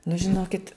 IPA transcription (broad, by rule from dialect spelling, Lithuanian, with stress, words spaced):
nʊ ʒʲɪˈnoːkʲɪt